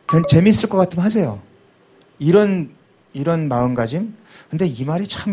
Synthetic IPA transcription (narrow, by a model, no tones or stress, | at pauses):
kat͡ɕe̞mis͈ɯɭk͈ʌk͈atʰɯmɦasʰe̞jo̰ | iɾʌn | iɾʌnmaɯnɡad͡ʑim | kɯnde̞imaɾit͡ɕʰm